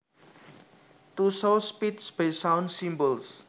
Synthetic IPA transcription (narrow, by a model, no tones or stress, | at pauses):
t̪usospit̪sb̥esawnsimbɔls